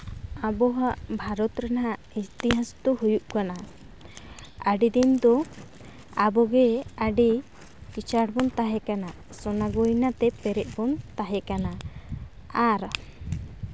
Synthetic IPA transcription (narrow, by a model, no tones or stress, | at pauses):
abɔɦaʔbʱaɾɔt̪ɾɛnɦaʔist̪iɦast̪ɔɦujuʔkana | aɖid̪ind̪ɔ | abɔɡɛaɖi | kit͡ʃaɽbɔnt̪aɦɛkana | sɔnaɡɔjnat̪ɛpɛɾɛʔ̚bɔnt̪aɦɛkana | aɾ